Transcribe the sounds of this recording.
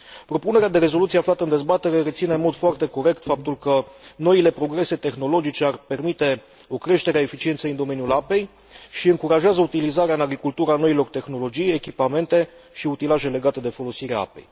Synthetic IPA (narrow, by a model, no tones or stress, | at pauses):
pɾo̞pune̞ɾead̪e̞ɾe̞zo̞lut̪ieaflat̪əɨnd̪ezbat̪e̞ɾe̞ɾe̞t̪sinenmo̞d̪foart̪e̞ko̞ɾe̞kt̪fap̚t̪ulkəno̞ile̞pɾo̞ɡɾe̞se̞t̪e̞xno̞lo̞d͡ʒit͡ʃe̞arpe̞rmit̪e̞ | o̞kɾe̞ʃt̪e̞ɾeae̞fit͡ʃie̞nt̪sejɨnd̪o̞me̞njulape̞j | ʃiɨŋkuɾaʒeazəut̪ilizaɾeaɨnaɡɾikult̪uɾəano̞ilo̞rt̪e̞xno̞lo̞d͡ʒijekʲipame̞nt̪e̞ | ʃiut̪ilaʒe̞le̞ɡat̪e̞d̪e̞fo̞lo̞siɾeaa̰pe̞̰j